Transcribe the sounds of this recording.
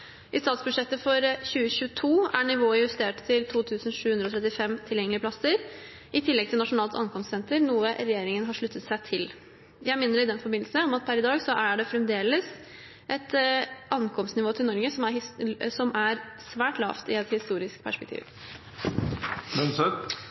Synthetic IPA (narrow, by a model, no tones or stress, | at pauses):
ʔɪst̪ɑːt̪sbʉʂɛt̪ːəfɔɾçʉːəçʉːət̪ʰuːæɳɪʋoːɪjʉst̪eːʈt̪ʰɪlt̪ʰuːt̪ʰʉːsənʂʉːʉnd̪ɾɔt̪ʰɾɛt̪ːɪfɛmt̪ʰɪljɛŋəlɪəplɑsəɾ | ʔɪt̪ʰɪlːɛɡ̚t̪ʰɪlnɑʂʊnɑːlt̪ʰɑ̰ŋkʰɔmst̪sɛnt̪əɾnuːəɾɛjeːɾɪŋənɦɑʂɭʉt̪ːət̪sæɪt̪ʰɪl | jæɪmɪnːəɾɪd̪ɛnfɔɾbɪnl̩səɔmɑt̪̚pʰæɾɪd̪ɑːɡsɔʔæɖɛfɾɛmd̪eːləs | ʔɛt̪ɑŋkʰɔmst̪nɪʋoːt̪ʰɪlnɔɾɡəsɔmæɾsɔmʔæɾ | sʋæːʈlɑ̰ːft̪ɪɛt̪hɪst̪uːɾɪsk̚pʰæʂpɛkt̪ʰḭːʋ | mɛn